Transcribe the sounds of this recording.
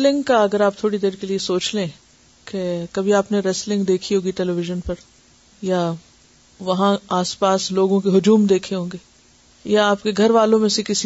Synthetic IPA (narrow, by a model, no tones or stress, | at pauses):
lɪ̃ŋɡkaɐɡəɾaːp̚t̪ʰoːɽid̪eːɾkeliesoːt͡ʃlẽː | kekɐbʱiaːpneɾɛːslɪ̃ŋɡd̪eːkʰiɦoːɡiʈɛːlɛʋɪʒənpɐɾ | ja | ʋɐɦãaːspaːsloːɡõkeɦʊd͡ʒuːmd̪eːkʰeɦõːŋɡeː | jaaːpkeɡʱɐɾʋaːlõmẽsekɪsi